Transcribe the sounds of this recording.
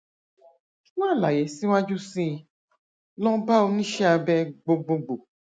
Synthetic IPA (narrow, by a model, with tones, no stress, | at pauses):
wã˦˨la˨jɛ˨˦si˦wa˦d͡ʒu˦sĩ˦˧ | lɔ̃˦ba˦o˧nĩ˦ʃɛ˦a˧bɛ˦ɡ͡bo˧ɡ͡bo˧ɡ͡bo˨